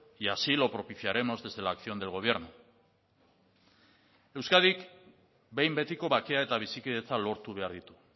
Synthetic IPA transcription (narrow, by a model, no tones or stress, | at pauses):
jasilo̞pɾo̞piθiaɾe̞mo̞zðe̞zðe̞laːkθio̞nd̪e̞lɣo̞β̞je̞ɾnu | e̞wskað̞ik | be̞jmbe̞t̪iko̞βakeae̞t̪aβisikiðe̞t͡salo̞ɾt̪uβe̞aɾðit̪u̥